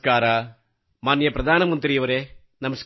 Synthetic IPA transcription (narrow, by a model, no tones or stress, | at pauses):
kaːɾa | maːnjɐpɾɐd̪ʱaːnɐmɐnt̪ɾijɐʋɐɾe | nɐmɐs